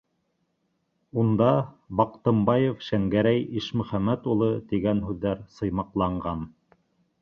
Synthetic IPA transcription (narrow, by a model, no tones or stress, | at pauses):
und̪ɑbɑqt̪ɤ̆mbɑjofʃæŋɡæɾæjiʃmɵ̆χæmæt̪ulˠɤt̪iɡænɦʉðːæɾsɤ̆jmɑqlˠɑɴɢɑn